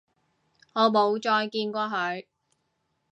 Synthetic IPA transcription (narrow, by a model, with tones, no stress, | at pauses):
ŋɔː˨˧mo˨˧wt͡ʃɔː˧jkiː˧nkʷɔː˧ɦɵ˨˧ɥ